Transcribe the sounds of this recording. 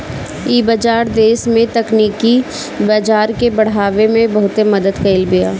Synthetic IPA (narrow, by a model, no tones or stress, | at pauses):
iːbəd͡ʒaːɾd̪eːsmẽt̪ɐkniːki | bad͡ʒaːɾkebɐɽ̤aːʋemẽbɐɦʊt̪emɐd̪əd̪kɐɪlbija̰ː